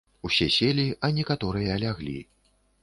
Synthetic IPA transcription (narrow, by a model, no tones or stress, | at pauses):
usʲɛsʲelʲiʔɐnʲɛkat̪ɔɾɨjɐːlʲaɣlʲḭ